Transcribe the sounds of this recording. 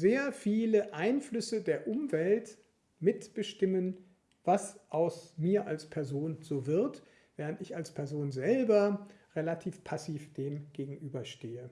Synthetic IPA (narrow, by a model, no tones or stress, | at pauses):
zeːɐfiːləʔaɪnflʏsədeːɐʔʊmvɛlt | mɪtb̥əʃtɪmən | v̥asʔaʊsmiːɐʔalspʰɛɐzoːnzoːvɪɐt | v̥ɛːʁ̞əntɪçalspʰɛɐzoːnzɛlbɐʁelatʰiːfpʰasiːfd̥eːmɡ̥eːɡŋ̩ʔyːbɐʃteːə